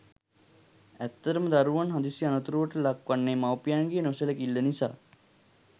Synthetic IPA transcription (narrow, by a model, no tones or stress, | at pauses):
æt̪ːəɾəməd̪aɾuʋanɦad̪isijanət̪uɾuʋəʈəlakʋanːemawpijaŋɡejːnosələkilːənisa̰ː